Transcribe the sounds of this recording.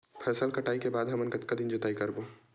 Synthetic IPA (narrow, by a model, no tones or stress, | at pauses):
pʰɛːsəlkɐʈaːikebaːd̪ɦɐmənkɐt̪kad̪ɪnd͡ʒʊt̪aːikɐɾboː